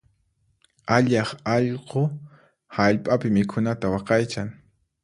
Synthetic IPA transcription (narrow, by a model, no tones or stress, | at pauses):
aʎɑχɑʎqo | haʎpʼapɪmɪkʰʊnat̪awɑqɑjt͡ʃaŋ